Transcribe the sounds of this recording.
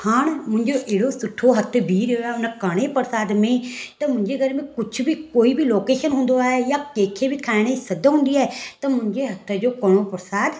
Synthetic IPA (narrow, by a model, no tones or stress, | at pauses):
haɳmʊ̃ɲd͡ʒoːʔeːɽoːsʊʈʰːoːɦət̪ʰːbiːɾeoːɛːʊnãkəɽ̃eːpəɾsaːd̪mẽːt̪ãːmʊ̃ɲd͡ʒeːəɡəɾmẽːkʊt͡ʃʰbiːkoːiːbiːloːkeːʃənɦʊ̃nd̪oːɛːjaːkeːkʰːeːbiːkʰaːɽ̃esəd̪ɦʊ̃nd̪iːɛːt̪ãːmʊɲd͡ʒeːɦət̪ʰːd͡ʒoːkəɳ̃õːpəɾsaːd̪